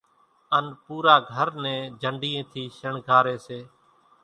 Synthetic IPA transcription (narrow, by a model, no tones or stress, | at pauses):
ənpuːɾaːɡʱəɾnɛ̃ːd͡ʒʱəɳɖiːẽːt̪ʰiːʃəɳɡʱaːɾeːseː